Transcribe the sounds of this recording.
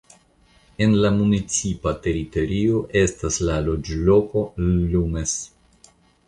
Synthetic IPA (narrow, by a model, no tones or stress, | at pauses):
e̞nlamunit͡sipate̞ɾito̞ɾio̞ʔe̞staslalo̞d͡ʒlo̞ko̞lumes